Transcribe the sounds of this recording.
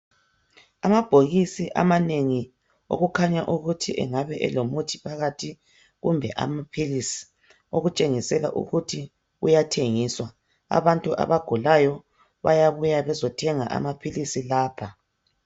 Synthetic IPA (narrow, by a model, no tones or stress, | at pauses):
amab̥ʱoɣisiʔa̰maneŋi | o̰ɣukʰaɲaʔuɣutʰiʔɛ̰ŋaβɛʔɛ̰lomutʰi̥pʰaɣatʰi | ɣumbʱɛʔa̰mapʰilisi̥ | oɣut͡ʃʼeŋisɛla̰ʔṵɣutʰi | ṵjatʰeŋiswa | a̰βantʼuʔa̰βaɡ̥ʱulajɔ | βa̰jaβujaβɛzɔtʰɛŋaʔa̰mapʰilisilaːpʰa